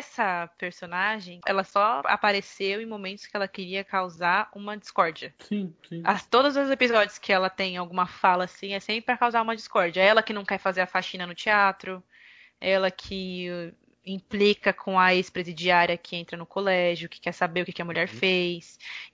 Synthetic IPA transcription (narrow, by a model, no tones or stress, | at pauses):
ɛsɐpeɾsonaʒẽj̃ɛ̰lɐsɔa̰paɾesewẽj̃momẽnt̪ʊ̥skɪɛlɐkɪɾiɐkawzaɾũmɐd͡ʒiskɔɾd͡ʒiɐsĩsĩat̪od̪ɐzʊzepizɔd͡ʒiʊskɪɛlɐt̪ẽj̃awɡũmɐfalɐːsĩɛsẽpɾɪpɾɐkawzaɾũmɐd͡ʒiskɔɾd͡ʒiɐɛlɐkɪnɐ̃w̃kɛɾfazeɾɐfaʃĩnɐnʊt͡ʃiat̪ɾʊ | ɛlɐkʰɪ | ĩplikɐkʰõɐespɾezid͡ʒiaɾiɐkɪẽnt̪ɾɐnʊkolɛʒʊkɪ̥kɛɾsabeɾʊkɛkɪɐmuʎɛɾfejs